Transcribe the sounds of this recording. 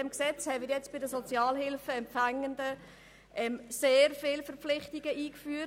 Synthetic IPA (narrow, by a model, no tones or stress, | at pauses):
ɛmksɛt͡shɛmɪɾjɛt͡sb̥ɪdəsot͡sjaːlɦɪlfəɛmpfæŋəndə | ʔɛmseːɾfɪːlfəɾpp͡flɪχtiɡəʔiːkfyːət